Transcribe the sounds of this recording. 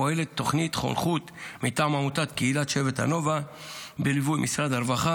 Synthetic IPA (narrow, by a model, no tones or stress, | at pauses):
oelet̪ːo̞χnit̪χo̰lχut̪mit̪aːmamutat̪keilat̪ʃe̞vetha̰no̞va | belivujmʔisʁad̪aɾvaχa